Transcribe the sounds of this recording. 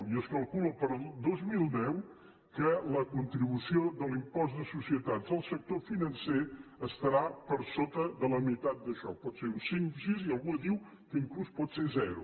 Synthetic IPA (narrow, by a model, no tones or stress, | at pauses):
iəskəlˠkuləpəɾəlˠd̪ozmilˠd̪ɛw | kələkunt̪ɾiβusioðəlimpɔzt̪d̪əsusiət̪at̪zəlˠsək̚t̪ofinənseəst̪əɾapəɾsot̪əðələmit̪at̪̚d̪əʃɔ̰pɔt̪seɾunsinəsiziəlˠɣunəðiw | kəiŋkluspɔt̪sezɛɾṵ